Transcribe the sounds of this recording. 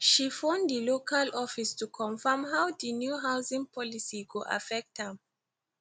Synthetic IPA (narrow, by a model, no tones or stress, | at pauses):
ʃifɔ̃ndilokʰalɔfistukʰɔ̃nfəmɦawdinjuɦawsĩŋpʰɔlisikuʔa̰fɛk̚thə̃m